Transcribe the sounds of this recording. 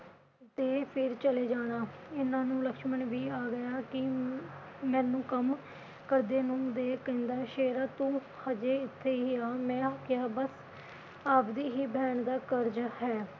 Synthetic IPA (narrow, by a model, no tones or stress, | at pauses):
t̪eːpʰɪɾt͡ʃəleːd͡ʒaːɽ̃aːɪnãːnũːləkʃməɳʋiːaːɡəjaːkɪ | mɛ̃ːnũːkəm | kəɾd̪eːnũːd̪eːkəɪ̃nd̪aːʃeːɾaːt̪ũː | həd͡ʒeːɪt̪ʰːeːiiaːmɛ̃ːkɪjaːbəs | aːpd̪iːɦiːbɛːɳd̪aːkəɾd͡ʒhɛː